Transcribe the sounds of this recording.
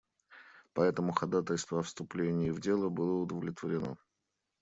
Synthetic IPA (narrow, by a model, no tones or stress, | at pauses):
pɐɛt̪əmʊxɐd̪at̪əlʲst̪vəɐfst̪ʊplʲenʲɪɪvdʲe̞lˠəbɨlˠəʊd̪əvlʲɪt̪vəɾʲɪno̰